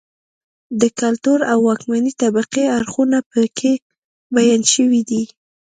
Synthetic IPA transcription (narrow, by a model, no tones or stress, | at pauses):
d̪əkalt̪uɾawːɑkmanit̪abaqeaɾxunapəkʰe | bajanʃəwid̪i